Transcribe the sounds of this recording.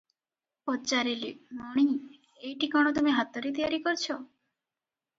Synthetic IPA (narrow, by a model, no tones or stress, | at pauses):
pɔt͡ʃaɾilimɔɽ̃i | ejʈikɔɽ̃ɔt̪umeɦat̪ːɔɾet̪ijaɾikɔɾt͡ʃʰɔ